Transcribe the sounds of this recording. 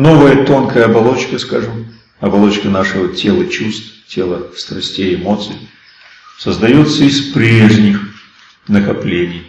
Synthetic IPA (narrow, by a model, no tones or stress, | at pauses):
no̞vəjət̪o̞nkəjəɐbɐlˠo̞t͡ɕkəskaʐɨm | ɐbɐlˠo̞t͡ɕkənaʂɨvətʲe̞lˠət͡ɕust̪ftʲe̞lˠəfst̪ɾɐsʲtʲeɪmo̞t̪sɨj | səzd̪ɐjo̞t̪səɪspɾʲeʐnʲɪx | nəkɐplʲenʲɪj